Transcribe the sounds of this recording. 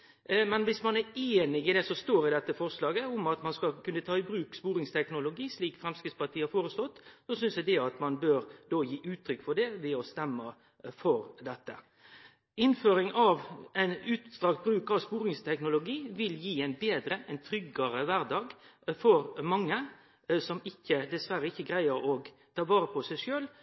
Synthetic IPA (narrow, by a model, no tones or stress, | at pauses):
mɛnʋɪsmɑnæɾeːnɪɪd̪ɛsɔst̪oːɾɪd̪ɛt̪ːəfɔʁslɑːɡəʊmɑt̪mɑnskɑkʉnːət̪ʰɑːɪbɾʉːkspuːɾɪŋst̪ʰɛknʊlʊɡiːsliːkfɾɛmskɪspɑʈ̪ʰiːəhɑɾfoːɾəst̪ɔt̪ːsɔsʏnsʋɛd̪ɛɑt̪mɑnbøːɾd̪oːjiːʔʉːt̪ʰːɾʏkːfɔɖɛʋɛɔst̪ɛmːə | fɔɾd̪ɛt̪ːə̰ | ɪnføːɾɪŋɑʋæɪnʉːt̪st̪ɾɑkt̪̚bɾʉːkɑʋspuːɾɪŋst̪ʰɛknʊlʊɡiːʋɪljiːæɪnbeːd̪ɾəʔɛɪnt̪ʰɾʏɡəɾəʋæɾd̪ɑːɡfɔɾmɑŋːə | sɔmɪçːəd̪ɛsʋæɾəɪçːəɡʁæɪəɾɔɡ | t̪ʰɑːʋɑːɾəpʰɔsæɪʂøːl